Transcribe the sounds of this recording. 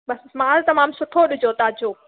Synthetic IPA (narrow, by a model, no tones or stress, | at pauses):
ɓɐsmãːlt̪ɐmãːmsʊʈʰoɗʊd͡ʑot̪aːd͡ʑoː